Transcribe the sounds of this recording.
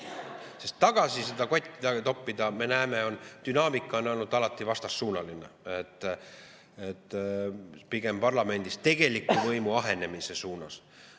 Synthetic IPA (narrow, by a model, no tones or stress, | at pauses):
sest̪ːɑɡ̥ɑsised̪ɑko̞t̪ʲːid̪ɑt̪o̞pːid̪ɑme̞næːme̞o̞nd̪̥ynɑːmikˑːɑonolnud̪ɑlɑt̪ːˑivɑst̪ɑsːuːnɑlinḛet̪ːˑ | et̪ːˑ | piɡ̥e̞mpɑrlɑme̞nʲd̪̥ist̪e̞ɡ̥e̞likːˑuvɤjmuɑɦe̞ne̞mise̞suːnɑs